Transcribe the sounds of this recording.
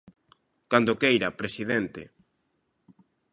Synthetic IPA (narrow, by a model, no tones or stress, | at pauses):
kand̪okejɾɐpɾesiðent̪ɪ̰